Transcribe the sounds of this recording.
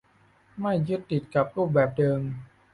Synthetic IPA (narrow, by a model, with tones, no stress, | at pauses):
ma˥˩jːɯ˦˥t̪ːi˨˩t̪̚ka˨˩p̚ɾuː˥˩p̚bɛː˨˩p̚dɤː˧m